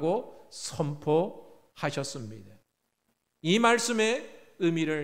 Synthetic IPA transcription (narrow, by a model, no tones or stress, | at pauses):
ɡosʰʌmpʰo | haɕʰʌs͈ɯmɲida | imaɭs͈ɯme̞ | ɯmiɾɯɭ